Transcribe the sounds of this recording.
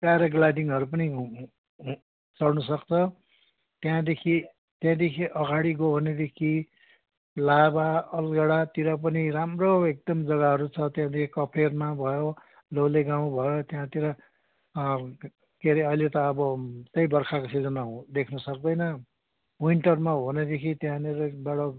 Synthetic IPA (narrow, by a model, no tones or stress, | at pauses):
pjaɾʌɡlaɖiŋɦʌɾup̬ʌni | t͡sʌɽnusʌkt͡sʰʌ | t̪jãd̪ekʰi | t̪jãd̪ekʰiʔʌɡaɽiɡobʱʌned̪ekʰi | labaʌlɡʌɽat̪iɾʌp̬ʌniɾamroek̚d̪ʌmd͡zʌɣaɦʌɾut͡sʰʌt̪jãd̪ekʰikʌpʰermabʱʌjo | lowleɡaw̃bʱʌjot̪jãt̪iɾʌ | keɾiʌilet̪ʌːbʌt͡sʌjbʌrkʰakosid͡zʌnad̪ekʰnʌsʌkd̪ʌjnʌ | wuiɳʈʌrmabʱʌned̪ekʰit̪jãneɾʌbaɽʌ